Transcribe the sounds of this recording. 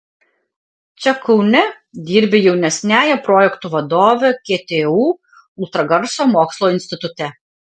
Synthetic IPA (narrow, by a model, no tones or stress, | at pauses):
t͡ʃʲɛkʰɔʊnʲɛ | d̪ʲiːɾʲbʲeːjɛʊnʲɛsʲnʲæːjɛːpɾɔːjɛkt̪uʋɐd̪oːʋʲeːkʲeːt̪ʲeuː | ʊlˠt̪ɾɐɡɐɾsoːmoːkslˠoːɪnʲsʲt̪ʲɪt̪ʊt̪ʲɛ